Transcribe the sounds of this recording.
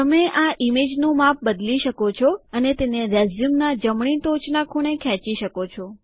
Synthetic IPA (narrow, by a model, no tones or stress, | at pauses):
t̪əmeʔaʔimed͡ʒnũmap̚bəd̪liʃəkot͡ʃʰɔənet̪eneɾɛzumnad͡ʒəmɳ̃it̪ot͡ʃnakʰuɽ̃ekʰɛ̃t͡ʃiʃəkot͡ʃʰɔ